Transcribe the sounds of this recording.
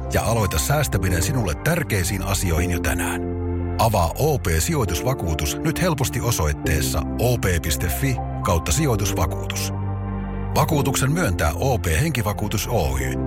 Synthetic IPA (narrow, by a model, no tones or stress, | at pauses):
jɑ̰ʔɑlo̞jt̪ɑsːæːst̪æmine̞nsinulːet̪ːærk̟e̞jsiːnʔɑ̰sio̞jhinjot̪æ̰næːn | ʔɑʋɑːʔoːpe̞ːsio̞jt̪usʋɑkuːt̪usnyt̪he̞lpo̞st̪ioso̞jt̪ːe̞ːsːɑ̰ʔoːpe̞ːpist̪e̞fːi | kɑwt̪ːɑsio̞jt̪usʋɑkṵːt̪u̥s | ʋɑkuːt̪uksemmyønt̪æ̰ːʔo̞ːpe̞ːhe̞ŋk̟iʋɑkuːt̪uso̞ːy̰ː